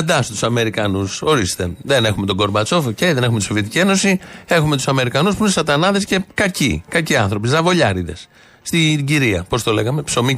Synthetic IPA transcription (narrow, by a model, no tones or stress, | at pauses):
d̪ɐst̪u̥sɐme̞ɾikɐnuso̞ɾist̪e̞ðene̞xume̞t̪o̞ɡo̞ɾmbɐt͡so̞focejðe̞ne̞xumet̪iso̞vje̞t̪icie̞no̞sie̞xume̞t̪u̥sɐme̞ɾikɐnuspuunesɐt̪ɐnɐðesce̞kɐcḭkɐciɐ̃nθɾo̞pizɐvo̞ʎɐɾiðe̞̰s | st̪iɟiɾiɐpo̞st̪o̞le̞ɣɐme̞pso̞mi